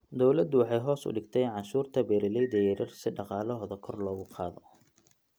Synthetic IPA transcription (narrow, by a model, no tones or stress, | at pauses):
d̪ɔwlɐd̪ʊwɑħɑjɦɔːsʊ̰ɖɪɡt̪ʰɛjʕɑʃuːrt̪ʰɐbɛːɾɪlɛjd̪ɛjɛɾɐrsɪɖɑqɑːlɔɦːðɐkʰɔrlɔːɣʊqʰɑ̰ːðɔ